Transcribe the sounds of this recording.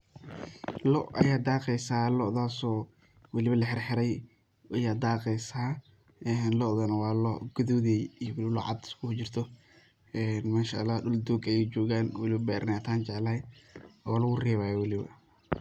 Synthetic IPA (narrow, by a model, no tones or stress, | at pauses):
lɔʔʔɐ̰jaːd̪aːqɛjsaːlɔʔðaːsɔː | wɑlɪβɐlɐħɪrħɪɾɛj | ʔɐjaːd̪aːqɛjsaː | ʔɛːnlɔðɐnɐwɑːlɔ̰ɡ̥ɐðɔːðɛjijɔwlɪβlɔ̰ʕɑ̰d̪skʊht͡ʃɪrt̪ʰɔ | ɛːnmaːʃaɐlːaːhɖʊld̪uːɡɐjɛjt͡ʃɔːɣaːnwɐlɪβɐbɛːɾnaːt̪ʰaːnt͡ʃɛʕlɐɛɔlɐɣʊrɛːβaːjɔwɑlɪβɐ̰